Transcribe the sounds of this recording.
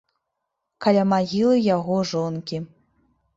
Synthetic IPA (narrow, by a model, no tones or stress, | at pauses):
kalʲamaɣʲilˠɨjaɣɔʐɔnkʲi